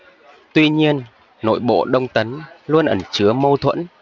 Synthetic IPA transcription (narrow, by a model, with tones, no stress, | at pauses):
t̪wi˧ɲi˧ənː | o̰˧˨jɓo̰˧˨ɗə˧wŋ͡mt̪ə˨˦nlu˧ənʔə˧˩nt͡ɕɨ˨˦əmə˧wt̪ʰwə̰˧˥n